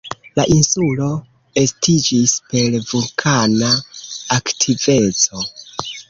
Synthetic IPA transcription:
laʔinsulo̞ | e̞stʰid͡ʒispe̞ɾvulkʰanaaktʰive̞t͡so̞

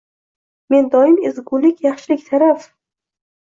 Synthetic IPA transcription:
me̞nd̪ɒjɪmezɡʊlɪkʲjɑχʃɪlɪkʲt̪ʰaɾaf

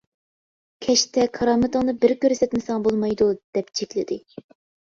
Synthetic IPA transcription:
kʲʰɛʃt̪ɛkʰɑɾɑːmɨt̪ɨŋnɨbɪɾkʲøɾsɛt̪mɪsɑŋbolˠmɑjd̪ud̪̥ɛpt͡ʃʰekʲlɪd̪ɪ

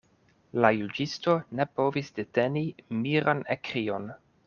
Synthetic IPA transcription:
lajud͡ʒisto̞ne̞po̞visdete̞nimiɾanekɾio̞n

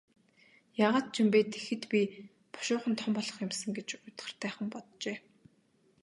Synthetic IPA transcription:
jaːʁaːt̪̚t͡ɕimpeːt̪ʰe̥xɘ̆t̪pʲi | pɔ̥ʃʊːχə̆nt̪ʰɔmpɔɮɞ̆χjʊmsə̆ŋɡet͡ɕʊjt̪χə̆r̥t̪ʰæːχə̆mpɔt̪t͡ɕeː

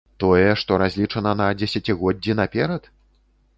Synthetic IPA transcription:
t̪ɔjɛʂt̪ɔɾazʲlʲit͡ʂɐnɐnɐd͡zʲesʲat͡sʲiɣɔdd͡zʲːinapʲɛɾɐt̪

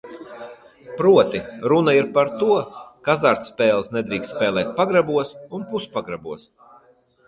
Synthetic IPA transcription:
pɾuɔt̪iɾunaiɾpaɾt̪uɔkazaɾt̪spɛːlˠsnɛd̪ɾiːkst̪spɛːlˠɛːt̪̚paɡɾabuɔsunpuspaɡɾabuɔs

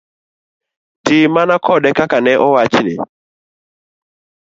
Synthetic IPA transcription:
timanakɔɗɛkakanɛʔɔwat͡ʃinɪ̰

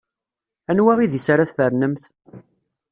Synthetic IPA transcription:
ænwæʁiðisaɾaθfəɾnəmθ

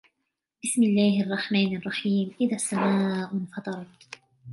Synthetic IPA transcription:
b̥ɪsmɪlːaːhʔɑrˤːɑħmaːnɑrˤːɑħiːmʔɪðasːamaːʔʊnfɑt̪ˤɑɾˤɑt̪

